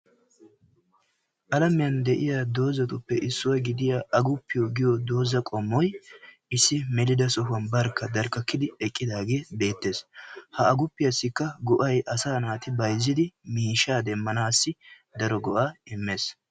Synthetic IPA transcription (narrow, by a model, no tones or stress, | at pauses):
ʔɐlɐmɪjɐnd̪ɛʔɪjaːd̪o̞ːzɐt̪ʊpːɛʔɪsːʊwɐɡɪd̪ɪjaːɐɡʊpːɪjɔɡɪjɔd̪o̞ːzɐkʼɔmːɔj | ɪsːɪmɛlɪd̪ɐsɔɦʊɐnbɐɾkːɐd̪ɐɾkːɐkːɪd̪ɪɛkʼːɪd̪aːɡe̞ːbe̞ːt̪ːe̞ːshɐɐɡʊpːɪjɐsːɪkːɐɡɔʔɐjʔɐsaːnaːt̪ɪbɐjzːɪd̪ɪmiːʃaːd̪ɛmːɐnaːsːɪ | d̪ɐɾɔɡɔʔaːɪmːeːs